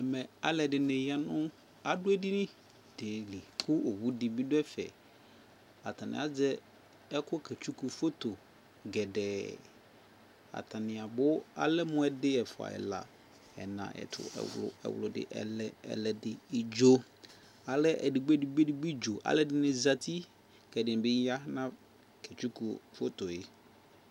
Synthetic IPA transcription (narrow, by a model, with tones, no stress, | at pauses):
ɛ˨mɛ˨a˦lɛ˨dɪ˨nɪ̃˨ja˨nʊ̃˦ | a˨dʊ˦ɛ˦di˦nɪ̃˦ | d̥e˨li˨kʰʊ˦o˨wu˦dɪ˨bi˦dʊ˦ɛ˦fɛ̰˨ | a˨tʰa˨nɪ̰̃˨a˨d͡zɛ˦ | ɛ˦kʰʊ˦kʰɛ˨t͡ʃʰu˦ku˨fo˦t̪o˨ | ɡɛ˨dɛː˨ | a̰˨tʰa˨nɪ̃˨a˨bʊ˦a̰˦lɛ˦mʊ̃˦ɛ˨dɪ˦ɛ˨fʊ˨a̰˨ɪ̰˨la̰˨ | ɛ̰˨nã̰˨ʔɛ̰˨tʰʊ̰˨ɛ̰˨wʊ˦lʊ̰˨ɛ̰˨wʊ˨lʊ˨dɪ̰˨ʔɛ̰˨lɛ˦ɛ̰˨lɛ˨dɪ˨ɪ˨d͡ʒo˦ | a˨lɛ˦ʔɛ̰˨dɪ˨ɡ͡bɛ˦di˨ɡ͡be˦di˨ɡ͡bi˦d͡ʒo˨ʔa̰˨˦lɛ˦dɪ˦nɪ̃˨za˨tʰi˦ | kɛ˨dɪ˨n˨bɪ˦a˦hnã˦ | kʰɛ˨t͡ʃu˦ku˨fo˦to˨jɪ˦